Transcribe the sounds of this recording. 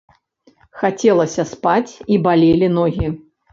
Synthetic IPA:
xat͡sʲɛlˠɐsʲɐspat͡sʲibalʲelʲinɔɣʲi

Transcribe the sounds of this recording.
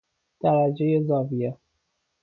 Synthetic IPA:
d̪̥æɾæd͡ʒejezɒːvije

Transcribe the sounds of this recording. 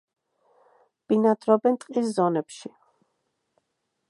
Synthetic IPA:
b̥inad̪ɾɔbɛnt̪ʼqʼiszɔnɛpʃi

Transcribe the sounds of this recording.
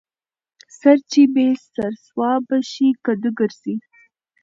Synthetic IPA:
saɾt͡ʃibesaɾswɑbaʃikad̪uɡəɾzi

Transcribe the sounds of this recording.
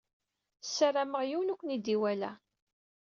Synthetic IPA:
sːəraməʁjiwnukʷːənid̪iwælæ̰

